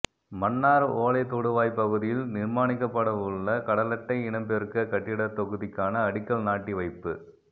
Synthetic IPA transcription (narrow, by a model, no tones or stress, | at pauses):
mɐnːaːɾoːlɐɪt̪ɔɽɯʋaːjpɐɣɯðɪjɪlnɪɾmaːnɪkːɐpːɐɽɐʋʊɭːɐkɐɽɐlɐʈːɐɪɪɳɐmbɛɾɯkɐkɐʈːɪɽɐt̪ɔɣɯðɪkːaːnɐːɽɪkːɐɭnaːʈːiʋɐɪpːɯ